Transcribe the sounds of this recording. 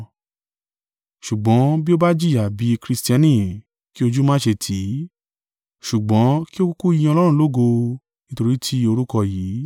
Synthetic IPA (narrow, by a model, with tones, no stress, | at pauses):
ʃu˨ɡ͡bɔ̃˨˦bi˦o˦ba˦d͡ʒi˦˨ja˨bi˨˦˧kɾi˧sti˦ã˧˦nĩ˨ | ki˦o˧d͡ʒu˦mãː˦ʃe˧tʰi˨˦ | ʃu˨ɡ͡bɔ̃˨˦ki˦o˦ku˦ku˦jĩ˧ɔ̃˧lɔ˦ɾ̃ũ˦˧lo˦ɡo˧ | nĩ˦to˧ɾi˦tʰi˦o˧ɾu˦kɔ˧jiː˨˦